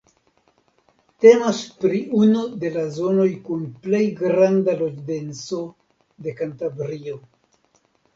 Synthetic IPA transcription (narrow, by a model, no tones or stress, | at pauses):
te̞maspɾiunude̞lazo̞no̞jkunple̞jɡɾandalo̞d͡ʒde̞nt͡so̞ | de̞kantabɾio̞